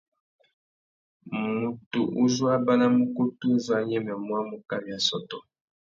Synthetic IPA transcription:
mu˨tu˨ʔu˦zwa˦ba˦na˦mu˦ku˦tu˦zwa˦ɲɛ˦mɛ˨mwa˦mu˨ka˦mi˨ja˨sɔ˨tɔ˨

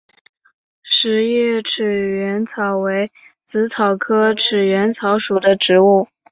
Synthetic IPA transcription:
ʂɻ̩˧˥jɛ˥˩ʈ͡ʂʰɻ̩˨˩ɥɛ˧˥nt͡sʰɑ˨˩ʊwe˧˥ɪ | t͡sɹ̩˧˥t͡sʰɑ˨˩ʊkʰɤ˥ʈ͡ʂʰɻ̩˨˩ɥɛ˧˥nt͡sʰɑ˧˥ʊʂu˨˩d̪ə˦ʈ͡ʂɻ̩˧˥u˥˩

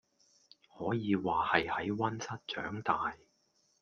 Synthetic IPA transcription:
hɔː˨˥jiː˨˧waː˨hɐ˨jhɐ˨˥jwɐ˥nsɐ˥t̚t͡ʃœ̰ː˨˥ŋt̪aː˨j

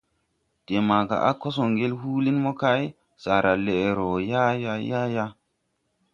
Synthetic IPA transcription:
te˨ma˨ka̰˨ʔa̰˦ko˦so˨ŋɡe˦lɦuː˦li˦nmo˦ka˦j | sa˨ɾa˨le˨e˨ɾo˨ja˦ja˦ja˦ja˦

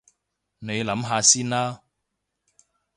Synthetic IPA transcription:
ne˨˧jlɐ˨˥mɦaː˨˧siː˥nlaː˦˥

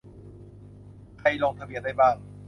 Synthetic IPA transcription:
kʰa˧˩jlɔː˧ŋt̪ʰa˧bi˧˥ənda˥˩jbaː˥˩ŋ

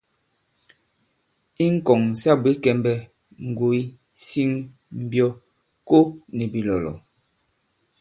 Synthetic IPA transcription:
i˦ŋ̩˦kɔ˨ŋ˨sa˦bwe˨˦kɛ˨mbɛ˦ | ŋ̩˨ɡo˨i˦ | si˦ŋ | m̩˦˨bjɔ˦ | ko˦nɛ˨bi˨lɔ˨lɔ̰˨

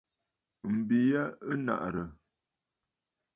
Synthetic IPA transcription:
m̩˨bi˨jə˦ə˦na̰˨ʔɾə˨

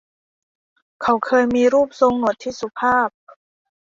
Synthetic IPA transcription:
kʰa˨˦wkʰɤː˧jmiː˧ɾuː˥˩p̚so˧ŋːo˨˩t̪ʰːiː˦˥su˧˩pʰaː˥˩p̚

